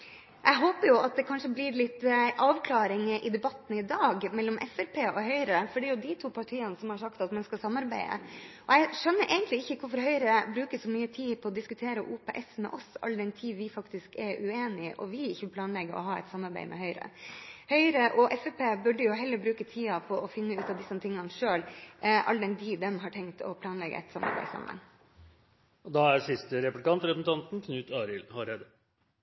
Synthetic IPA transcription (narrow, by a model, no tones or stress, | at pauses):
ʔɛɪɦoːpəɾjʊʔɑt̪̚d̪ɛkʰɑnʂəblɪɾlɪt̪ːʔɑːʋkʰlɑːɾɪŋʔɪd̪ɛbɑt̪ːn̩ɪd̪ɑːɡmɛlːɔmʔɛ̰fɛɾpʰeːɔhœʏɾəfɔɖɛːɾjʊd̪ɪt̪ʰuːpʰɑʈʰiːənəsɔmhɑɾʂɑkt̪ɑt̪mɛnskɑsɑmːɑɾbæɪə̰ʔɔɛɪʂœnːəɾʔæ̰ɪɡənt̪lɪɪçːəkʰʊɾfɔɾhœʏɾəbɾʉːkəsɔmyːət̪ʰiːpʰɔɔd̪ɪskʉt̪ʰeːɾəʔuːpʰɛːʔɛsmɛ̰ʔɔsɑ̰lːd̪ɛnt̪ʰiːʋɪfɑkt̪ɪskɛɾʉeːnɪʔɔ̰ʋɪɪçəpʰlɑːnlɛɡə̰ʔɔ̰ɦɑːɛ̰t̪sɑmɑɾbæ̰ɪmʔɛ̰hœʏɾə̰hœʏɾəʔɔʔɛfɛpʰeːbʉɖəjʊɦɛlːəɾbɾʉːkət̪ʰiːɑpʰɔʔɔfɪnːəʉːt̪ɑʋd̪ɪsɔmt̪ʰɪŋːɑnʂøːlʔɑ̰ld̪ɛnd̪iːd̪ɛmɦɑʈʰɛŋt̪ʰɔ̰pʰlɑːnlɛɡə̰ɛ̰t̪sɑmːɑ̰ɾbæ̰ɪsɑ̰mə̰ŋ | ɔd̪ɑæsɪst̪əɾɛplɪkʰɑnt̪ɾɛpsn̩t̪ɑnt̪n̩kʰnʉːt̪ʰɑːɾɪlhɑɾeːd̪ə